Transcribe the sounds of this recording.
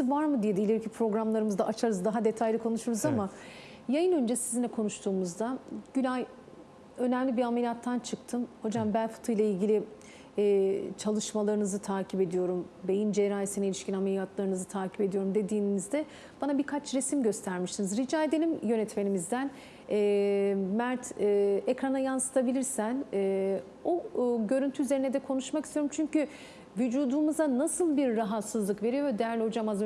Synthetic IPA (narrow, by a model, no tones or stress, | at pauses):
ɯvaɾmɯd̪ijed̪ilʲeɾycʰipʰɾo̞ɡɾamlˠaɾɯmɯzd̪aʔat͡ʃʰaɾɯzd̪aɦad̪e̞t̪ʰajlʲikʰo̞nuʃuɾuzama | jajɯnønd͡ʒɛsizinʲɛkʰonuʃt̪ʰuːmuzd̪aɟynaj | ø̞nɛmlʲibiamelʲijat̪ʰːant͡ʃʰɯkt̪ʰɯmho̞d͡ʒambænfɯ̥t̪ʰɯjlˠailʲɟilʲiː | t͡ʃʰalˠɯʃmalˠaɾɯnɯzɯt̪ʰaːcʰipe̞d̪ijo̞ɾumbe̞jind͡ʒeɾaːisinilʲiʃcinamelʲijat̪ʰlˠaɾɯnɯzɯt̪ʰaːcʰi̥pe̞d̪ijo̞ɾumd̪e̞d̪iːnnizd̪ɛ | b̥anabikʰat͡ʃɾesimɟø̞st̪ʰæɾmiʃt̪inizɾid͡ʒaːed̪e̞lʲimjø̞nɛt̪me̞nimizd̪æn | ɛːmæɾt̪ʰːekɾanajansɯ̥t̪ʰabilʲiɾsænɛː | oɟø̞ɾynt̪ʰyyzeinɛd̪ɛkʰo̞nuʃmakist̪ijoɾumt͡ʃʰyɲcy | vyd͡ʒuːd̪umuzanasɯlˠbiɾːaɦat̪sɯzlˠɯkve̞ɾijo̞ɾd̪ejæɾlʲɛho̞d͡ʒamaz